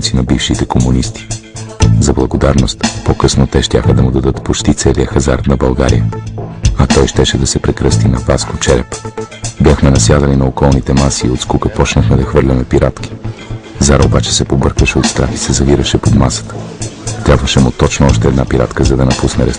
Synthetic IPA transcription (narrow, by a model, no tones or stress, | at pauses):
t̪sinɐbifʃit̪ɛkomunist̪i̥ | zɐblˠɐɡod̪aɾnost̪pokɤsnot̪ɛʃt̪ʲaxəd̪ɐmud̪ɐd̪ɤt̪pot͡ʃt̪it̪sɛliəxɐzaɾt̪nɐbɐlˠɡa̰ɾḭjə | ɐt̪ɔjʃt̪ɛʃɛd̪ɐsɛpɾɛkɾəst̪inɐvaskot͡ʃɛɾɛpbʲjaxmɛnɐsjad̪əlinɐokɔlˠnit̪ɛmasiːot̪skukəpɔt͡ʃnəxmɛd̪ɐxvɤɾlʲɐmɛpiɾat̪ki̥zaɾobat͡ʃɛ̥sɛpobɤɾkəʃɛot̪st̪ɾaxisɛzɐviɾəʃɛpod̪masə̥t̪ə̥t̪ɾʲabvəʃɛmʊt̪ɔt͡ʃnoɔʃt̪ɛɛd̪napiɾa̰t̪kəzɐd̪ɐnɐpusnɛɾɛs